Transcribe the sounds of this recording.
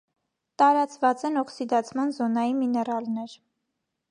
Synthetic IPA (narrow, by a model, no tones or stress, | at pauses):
t̪ɑɾɑt͡svɑt͡sɛnɔksid̪ɑt͡sʰmɑnzɔnɑjiminɛrɑlnɛɾ